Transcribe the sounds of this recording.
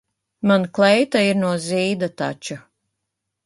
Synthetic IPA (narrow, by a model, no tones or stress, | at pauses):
manklˠɛjt̪aiɾnuɔziːd̪at̪a̰t͡ʃu